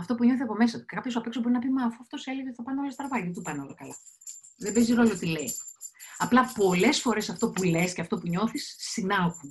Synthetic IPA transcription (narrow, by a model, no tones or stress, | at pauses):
ɐft̪o̞puɲo̞θiɐpo̞me̞sɐt̪u̥cekɐpçosoɐpeksobo̞ɾinɐpimɐfuɐft̪oseleɣet̪iθɐpɐneolɐst̪ɾɐvɐðt̪upɐneo̰lɐkɐlɐðebeziɾoolot̪ileiɐplɐpo̞le̞sfo̞ɾe̞sɐft̪o̞pule̞sceɐft̪o̞puɲo̞θisːinɐku